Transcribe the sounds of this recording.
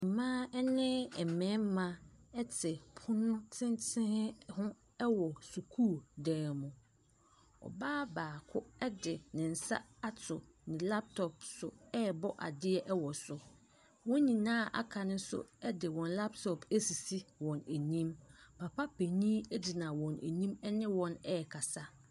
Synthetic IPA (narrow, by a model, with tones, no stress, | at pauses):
m̩˨mãː˦ɛ˦nɪ̃˦ɛ˨mɛ̃˨˦m˦mã˦ɛ˦t͡sʰɪ˨pʰʊ˦nʊ̃˦t͡sʰɪ̃˦ntʰɪ̃˦hhʊ̃˦ | ɛ˦wɔ˨su˨kʰuː˦˨dɛ̃ː˨mʊ̃˨ | ɔ̰˨baː˦baː˨kʰʊ˦ɛ˦dɪ˨nɪ̃˨n̩˨sa̰˦a˦tʰʊ˨ | nɪ̃˨la˦p̚tʰɔ˨p̚sʊ̰˨ɛ˦˨bɔ˦ʔa̰˨dɪ˦ɛ˦ʔɛ˦wɔ˨sʊ˨ | wɔ̃˦ɲĩ˨nãː˦˨ʔa̰˨kʰa˨nʊ̃˦sʊ̰˦ɛ˦dɪ˨wɔ̃˨nla˦ptʰɔ˨pʰæ˦si˨si˦wɔ̃˨næ˨ɲĩ˦mpʰa˨pʰa˦pʰe˨ɲĩː˦ɛ˦di˨nã˨wɔ̃˨nʔæ̰˨ɲĩ˦mɛ˦nɪ̃˦wɔ̃˨nɛ˦˨kʰa˨sa˦